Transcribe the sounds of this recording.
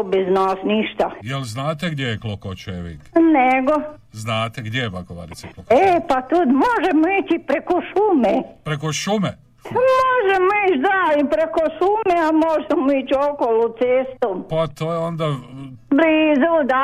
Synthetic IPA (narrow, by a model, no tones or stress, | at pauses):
beznaːsniʃt̪ajelznaːt̪eɡd̪jejeklˠokot͡ʃeʋḭt̪neɡoznaːt̪eɡd̪jejepakoʋa̰ɾit̪sioepat̪ud̪moʒemoiːt͡ʃipɾekoʃumepɾekoʃume | moʒemoit͡ʃd̪aipɾekoʃumeamoʒemoit͡ʃokolut̪seːst̪oːmpat̪oːjeond̪a | bɾiːzod̪a